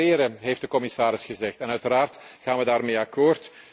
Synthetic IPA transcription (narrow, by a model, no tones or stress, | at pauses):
ɪːɾəɦejftdəkɔmɪsaːɾɪsxəzɛxtɛnœɥtəɾaːrtɣaːnʋədaːrmeːjɑkoːrt